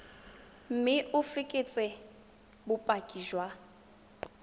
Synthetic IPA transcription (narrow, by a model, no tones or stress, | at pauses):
m̩mɪʔʊfɪkʼɪt͡sʼɪ | bʊpʼakʼiʒwa